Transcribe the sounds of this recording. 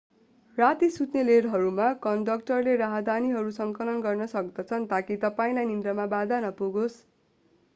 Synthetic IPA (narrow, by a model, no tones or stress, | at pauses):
rat̪isut̪neleɾɦʌɾumakʌndʌkʈʌrleɾaɦʌd̪ʱaniɦʌɾusʌŋkʌlʌnɡʌrnʌsʌk̚d̪ʌt͡sʰʌnt̪akit̪ʌpaĩlajnind̪rʌmabad̪ʱanʌpuɡos